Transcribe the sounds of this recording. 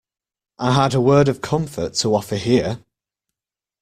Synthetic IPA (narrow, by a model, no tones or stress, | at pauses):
ʔaɪədəwɜːdəv̥kʰʌ̃ɱfə̰tʰəɒfəɦiə